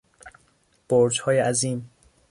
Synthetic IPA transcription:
b̥oɾd͡ʒhɒːjeæziːm

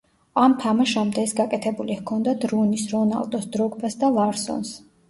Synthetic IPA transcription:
amt̪ʰamaʃamd̪ɛɛsɡakʼɛt̪ʰɛbulihkʰɔnd̪ad̪ɾunisɾɔna̰lˠd̪ɔsd̪ɾɔɡbasd̪alˠaɾsɔ̰ns

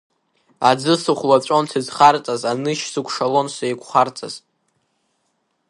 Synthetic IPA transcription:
a̰d͡zɨsɨχʷlat͡ɕʷʼo̞ntʰɨzχart͡sʼazanɨʃsɨkʷʰʂalonsajkʷʰʼχart͡sʼa̰z̥

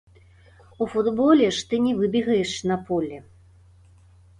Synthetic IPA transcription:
ufud̪bɔlʲɛʂt̪ɨnʲɛvɨbʲiɣɐjɛʂnɐpʰɔlʲɛ

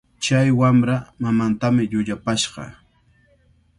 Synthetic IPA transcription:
t͡ʃajwamɾamamant̪amɪʎʊʎapaʃɢɑ̰

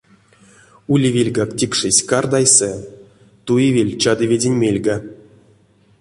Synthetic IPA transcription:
ulʲivʲelʲɡaktʲikʂɨsʲkard̪ajsɛ | t̪ujivʲelʲt͡ɕad̪ɨvʲedʲenʲmʲelʲɡa

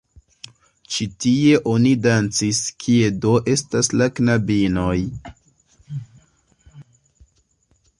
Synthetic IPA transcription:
t͡ʃitie̞ʔo̞nidant͡siskʰie̞do̞ʔe̞staslaknabino̞j

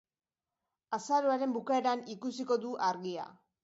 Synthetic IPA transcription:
asaɾoaɾe̞mbukae̞ɾanikusiko̞ðuʔaɾɣia̰

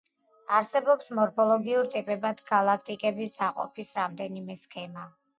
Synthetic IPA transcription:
aɾsɛbɔpsmɔɾpʰɔlˠɔɡiuɾt̪ʼipʼɛbad̪̥ɡalˠak̚ʰt̪ʼikʼɛbisd̪aqʼɔ̰pʰisɾamd̪ɛnimɛskʰɛma

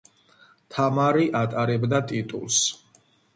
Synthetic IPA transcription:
t̪ʰamaɾiʔat̪ʼaɾɛbd̪at̪ʼit̪ʼṵlˠs

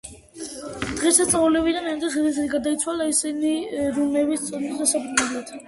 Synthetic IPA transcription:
d̪̥ʁɛsast̪sʼaulɛbid̪anand̪ɛsɛliɛd̪iɡad̪ait̪sʰwalˠaisiniɾumɛvist̪sʼɔnɛsd̪asapʰɾunɛblˠat̪ʰ

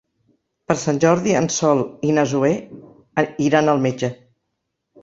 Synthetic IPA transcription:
pəɾsanʲʒɔɾðiənsɔlˠinəzue | iɾanəlˠmed͡ʒə

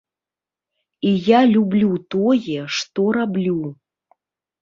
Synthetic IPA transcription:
ijalʲublʲut̪ɔjɛʂt̪ɔɾablʲu

